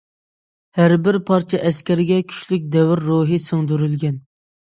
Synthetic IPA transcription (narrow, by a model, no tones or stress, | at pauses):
hæɾbɪɾpʰɑɾt͡ʃʰɛʔɛskʲɛɾɪɡʲɛkʲʰy̥ʃlyk̚ʲd̪ɛwɪɾːoɦɨsoŋd̪yɾylɡʲɛn